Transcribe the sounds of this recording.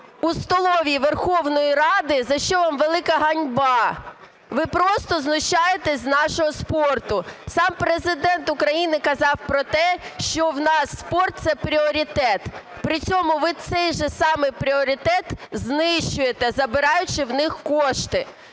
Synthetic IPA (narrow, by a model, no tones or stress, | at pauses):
ust̪ɔlˠɔʋʲiʋerxɔwnɔjirɑd̪ɪzɐʃt͡ʃɔʋɑmʋelˠɪkɐɦɐnʲbɑ | ʋɪpɾɔst̪ɔznʊʃt͡ʃɑjet̪ɛznɑʃɔɦɔspɔrt̪ʊsɑmpɾezɪd̪ɛnt̪ʊkɾɐjinɪkɐzɑwpɾɔt̪ɛʃt͡ʃɔwnɑsːpɔrt̪̚sɛpɾʲiɔɾʲit̪ɛt̪ | pɾɪt͡sʲɔmʊʋɪt̪sɛjʒɛsɑmɪpɾʲiɔɾʲit̪ɛt̪znɪʃt͡ʃʊjet̪ɛzɐbɪɾɑjʊt͡ʃɪwnɪxkɔʃt̪ɪ